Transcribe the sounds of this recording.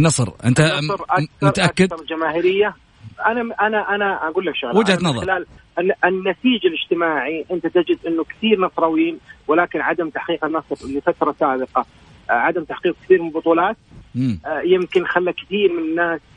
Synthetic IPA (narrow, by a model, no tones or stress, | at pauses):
nɑsˤɾʔɪ̰nt̪aɾˤʔaθmʊɾˤaʔakːɪd̪ɑɾˤd͡ʒamaːɦɪɾɪjːa | ʔanaʔanaʔanaaɡuːlːakʃaɣlwɪd͡ʒhat̪nɑðˤɪlaːlʔɪnːat̪iːd͡ʒalɪd͡ʒt̪ɪmaːʕiʔɪnt̪at̪ɪd͡ʒɪd̪ʔɪnːʊkɪ̥θiːɾnɑsˤɾˤɑwiːnwɪlaːkɪnʕad̪amt̪aħqiːqɪnːɑsˤɾɪlifat̪ɾˤɑsaːbɪqɑ | ʕad̪amt̪aħqiːq̚kθiːɾmɪlbʊt̪ˤuːlɑːt̪̚ː | jɪmkɪnxalːakɪθiːɾmɪnɪnːaːs